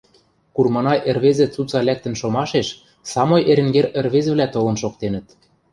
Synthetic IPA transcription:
kurmɑnɑʔĕrβezĕt͡sut͡sɑlæk̚t̪ə̆nʃomɑʃeʃ | sɑmojʔeɾɘ̆ŋɡeɾĕrβezɘ̆βlæt̪olɤ̆nʃokt̪enə̆t̪

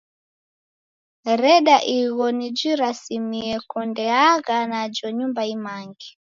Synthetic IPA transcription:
ɾɛɗaʔiɣɔnid͡ʒiɾasimiɛkɔndɛaɣanad͡ʒɔɲumbaimaŋɡi

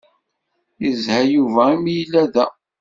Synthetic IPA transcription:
jəzhæjuvæimjəlːæðæ

